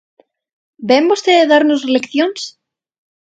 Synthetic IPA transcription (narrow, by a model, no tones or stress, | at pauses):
bɛmost̪eðeðaɾnʊslɛkθjons